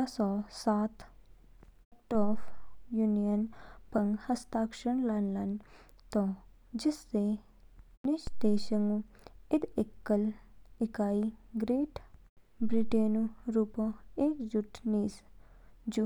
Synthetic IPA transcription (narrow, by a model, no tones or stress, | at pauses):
asɔːsaːt̪ | ʈɔːfjunijənpɐŋɡhɐst̪aːkʃəɳlɐnlɐn | t̪o | d͡ʒɪst̪e | nɪʃd̪eːʃɐŋuɪd̪ɪkːɐlɪkaːiɡɾeːʈ | bɾiʈeːnuɾuːpoeːkd͡ʒuʈniːs | d͡ʒu